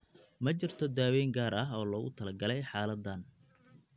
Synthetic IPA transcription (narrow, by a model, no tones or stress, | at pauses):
mɐt͡ʃɪrt̪ʰɔd̪aːwɛjŋɡaːɾɐɦɔːlɔɣʊ̰t̪ʰɐlɐɡɐlɛjħɑːlɐd̪ːɐn